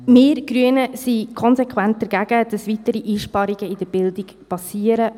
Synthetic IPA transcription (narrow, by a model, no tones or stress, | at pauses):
meːɾɡ̥ɾyənəsikʰɔnsɛkʰʋænt̚d̥əɾɡæɡ̥əd̥ɑsʋitəɾiʔiːʃpɑɾiɡəɪd̥əb̥ɪldikpɑsiəɾə